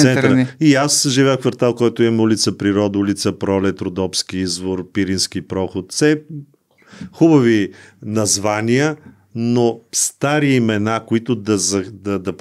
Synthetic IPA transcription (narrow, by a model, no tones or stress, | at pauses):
sɛnt̪ɾiasʒivɛəxkvɐɾt̪alˠkɔjt̪ʊimulʲit̪səpɾiɾɔd̪əulit̪səpɾɔlɛt̪ɾod̪ɔpskiizvoɾpiɾinskipɾɔxot̪sɛ | xubɐvinɐzvaniə | nost̪aɾiːmɛnakoit̪ʊd̪ɐzɐd̪ɐd̪ɐp